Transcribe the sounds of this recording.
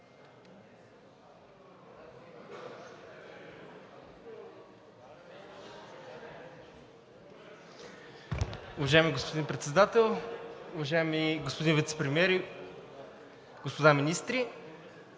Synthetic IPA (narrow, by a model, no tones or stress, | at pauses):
ʊvɐʒaɛmiɡospod̪inpɾɛt̪sɛd̪at̪ɛlˠʊvɐʒaɛmiɡospod̪invit̪sɛ̥pɾɛmiɛɾ | ɡ̥ospod̪aminist̪ɾi